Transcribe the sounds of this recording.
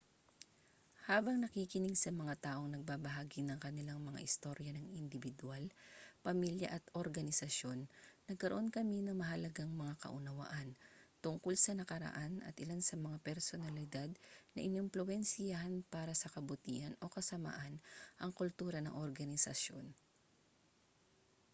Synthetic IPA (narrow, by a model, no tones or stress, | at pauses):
haːbɐŋnɐkiːkɪnɪɡsɐmɐŋat̪aːʔo̞ŋnɐɡ̚baːbɐɦaːɡinɐŋkɐnɪlaŋmɐŋa̰ʔɪst̪o̞ɾjɐnɐŋɪnd̪ɪvɪd̪ualpɐmiljɐ̰ʔɐt̪ʔoɾɡɐnɪsɐʃjo̞nːɐɡ̚kɐɾoʔo̞nkɐminɐŋmɐɦɐlɐɡaŋmɐŋakɐ̰ʔʊnɐwa̰ʔant̪ʊŋkʊlsɐnɐkɐɾɐ̰ʔanɐ̰t̪ʔɪlansɐmɐŋapɛɾsonɐlɪd̪ad̪̚nɐ̰ʔɪnomplʊwɛnsɪjahɐnpaːɾɐsɐkɐbʊt̪iːhɐno̞kɐsɐma̰ːʔɐnʔɐŋkʊlt̪uːɾɐnɐ̰ŋʔoɾɡɐnɪsɐ̰ʃjo̞n